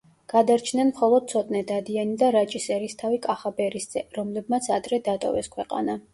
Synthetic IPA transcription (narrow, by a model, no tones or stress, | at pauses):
ɡ̥ad̪aɾt͡ʃʰnɛnmχɔlˠɔd̪̥̚t̪sʰɔt̪ʼnɛd̪ad̪ianid̪aɾat͡ʃʼisɛɾist̪ʰavikʼaχabɛɾisd̪z̥ʼɛɾɔmlɛb̚mat̪sʰad̪ɾɛd̪at̪ʼɔ̰vɛ̰skʰwɛqʼa̰na